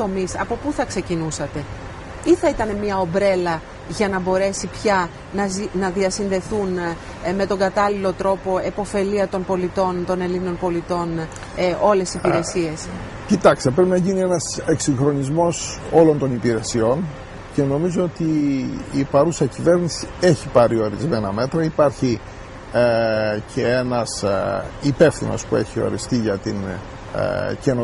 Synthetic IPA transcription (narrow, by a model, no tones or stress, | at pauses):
o̞misɐ̰po̞puθɐkse̞cinusɐt̪e̞ | iθɐit̪ɐne̞miɐo̞bɾe̞lɐ | ʝɐnɐbo̞ɾe̞sipçɐ | nɐnɐðiɐsinðe̞θun | me̞t̪o̞ŋɡɐt̪ɐlilo̞t̪ɾo̞po̞e̞po̞fe̞liɐt̪o̞npo̞lit̪o̞nt̪o̞ne̞lino̞npo̞lit̪o̞n | ʔo̞le̞sipiɾe̞sie̞s | cit̪ɐkst̪epɾepinɐʝinienɐse̞ksiŋxɾo̞nizmo̞so̞lo̞nt̪o̞nipiɾe̞sio̞n | ce̞no̞mizo̞ot̪iː | pɐɾusɐcive̞ɾnisie̞çipɐɾio̞ɾizme̞nɐme̞t̪ɾɐipɐɾçi | cʰe̞enɐsipe̞fθḭno̞̰spue̞çio̞̰ɾist̪iʝɐt̪in̰ | ce̞no